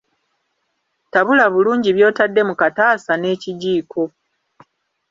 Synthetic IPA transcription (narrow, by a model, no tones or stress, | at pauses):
taβulaβuluːɲɟiβjo̞ːtadːe̞mukataːsane̞ːciɟiːkʰo̞